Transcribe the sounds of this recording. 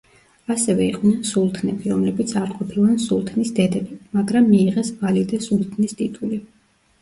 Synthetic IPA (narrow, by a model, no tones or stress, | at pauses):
asɛvɛiqʼnɛnsulˠt̪ʰnɛbiɾɔmlɛbit̪sʰaɾqʼɔpʰilˠansulˠt̪ʰnisd̪ɛd̪ɛbimaɡɾamːiːʁɛsvalid̪ɛsulˠt̪ʰnist̪ʼit̪ʼuli